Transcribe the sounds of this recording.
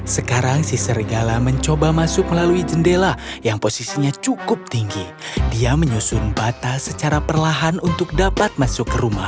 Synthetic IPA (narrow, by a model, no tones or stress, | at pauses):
səkaɾaŋsisəɾiɡalaməɲt͡ʃobamasʊk̚məlaluid͡ʒəndelajaŋposisiɲat͡ʃukʊp̚t̪iŋɡi | diaməɲusʊnbat̪asət͡ʃaɾapərlaɦanunt̪ʊk̚dapat̪̚masʊkːəɾumah